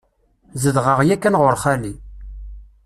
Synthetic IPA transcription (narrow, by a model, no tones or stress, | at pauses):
zəðʁəʁjækːænʁʊɾχæli